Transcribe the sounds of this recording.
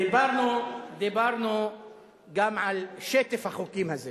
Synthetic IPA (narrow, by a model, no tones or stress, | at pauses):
ebɑɾˤnud̪ebɑɾˤnu | ɡamʕalʃeːt̪ɪfaxokiːmhaze